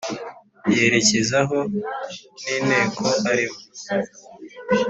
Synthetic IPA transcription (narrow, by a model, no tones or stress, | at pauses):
je̞ɾe̞cezaɦo̞ | niːne̞ːkʰo̞aɾimu